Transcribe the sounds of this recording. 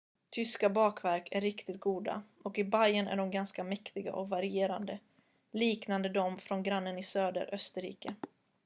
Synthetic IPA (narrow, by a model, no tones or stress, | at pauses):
t̪ʰʏskabɑːkvæɾkʰæɾɪkt̪ɪt̪̚ɡuːd̪a̰ʔɔkɪbajənæ̰ɖɔmɡanskamɛkt̪ɪɡa̰ʔɔkvaɾɪeːɾa̰nd̪ə | liːknand̪əd̪ɔmfɾɔnɡɾanːənɪsøːd̪ə̰ɾʔœst̪əɾḭːkə